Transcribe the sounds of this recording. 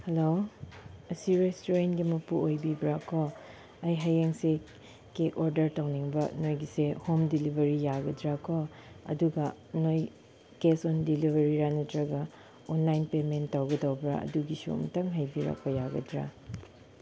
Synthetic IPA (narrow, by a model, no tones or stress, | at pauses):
helo | ɐsiɾestoɾenɡimɐpuojbibɾakʰo | ɐjɦajeŋse | kekʰoɾdɐɾtawniŋbɐ̰nojɡisehomdilibʱɐɾijaɡɐdɾakʰo | ɐ̰duɡɐnoj | kesɔndilibʱɐɾiɾanɐtɾɐɡɐ | onlajnpementtːawɡɐdɐwbɾa̰ɐ̰duɡisṵmtɐŋɦɐjbiɾa̰kʰɔjaɡɐ̰dɾa̰